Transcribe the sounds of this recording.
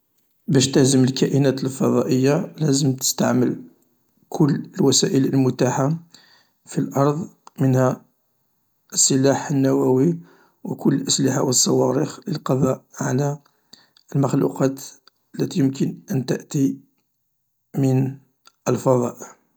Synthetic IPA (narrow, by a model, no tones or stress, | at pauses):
bæʃt̪æhzəməlkæʔənæt̪əlfɑd̪ˤɑʔəjːalæzəmt̪ə̥st̪aʕməl | kʰʊlːəlwæsæʔələlmʊt̪aħa | filʔɑɾˤðˤmənhæ | əsːəlaħənːæwæwi | wəkʊlːəlʔəslɪħawəsˤːɑwɑɾixləlqɑd̪ˤɑʔʕalæ | əlməxlṵqɑt̪ | əlːæt̪ijəmkənʔənt̪əʔt̪i | mən | əlfɑðˤɑ̰ʔə